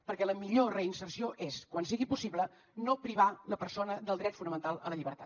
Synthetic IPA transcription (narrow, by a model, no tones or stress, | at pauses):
pəɾkɛləmiʎorəinsərsioʔeskwansiɣipusiβlə | nopɾiβaləpəɾsonəðəlˠd̪ɾɛt̪funəmənt̪alˠə̰ləʎiβəɾt̪at